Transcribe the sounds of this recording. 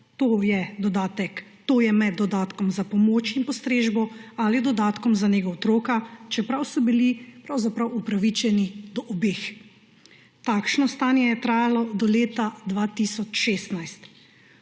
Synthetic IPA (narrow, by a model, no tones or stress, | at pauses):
t̪oːjɛd̪ɔd̪aːt̪ɛkt̪oːjɛmɛd̪ːɔd̪aːt̪kɔmzapɔmoːt͡ʃinpɔst̪ɾeːʒbɔalid̪ɔd̪aːt̪kɔmzaneɡaot̪ɾoːkat͡ʃɛpɾawsɔbilipɾawzapɾawupɾaʋit͡ʃɛnid̪ɔʔɔbeːx | t̪aːkʃnɔst̪aːnjɛjɛt̪ɾaːjalɔd̪ɔleːt̪ad̪ʋat̪isɔt͡ʃʃeːst̪najst̪